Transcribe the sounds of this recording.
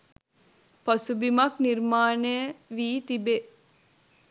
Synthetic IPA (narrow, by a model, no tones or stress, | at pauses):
pɐsubimɐkniɾmaːnejəʋiːt̪ibe